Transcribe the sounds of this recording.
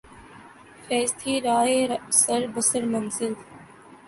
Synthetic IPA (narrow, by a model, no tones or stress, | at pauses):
fɛːst̪ʰiːɾaːeːsəɾbəsəɾmɐnzɪl